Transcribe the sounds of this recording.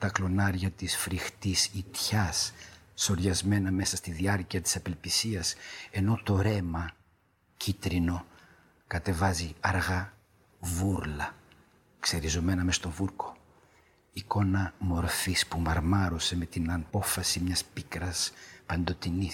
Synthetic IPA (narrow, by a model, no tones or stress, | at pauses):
t̪ɐklo̞nɐɾʝɐt̪isfɾixt̪isit̪çɐsː | o̞ɾʝɐzme̞nɐme̞sɐst̪iðiɐɾciɐt̪i̥sɐpe̞lpisiɐse̞not̪o̞ɾe̞mɐ | cit̪ɾino̞ | kɐt̪e̞vɐziɐɾɣɐ | vuɾlɐ | kse̞ɾizo̞me̞nɐmest̪o̞vuɾko̞̥ | iko̞nɐmo̞ɾfispumɐɾmɐɾo̞se̞me̞t̪inɐpo̞fɐsimɲɐspikɾɐspɐnd̪o̞t̪inis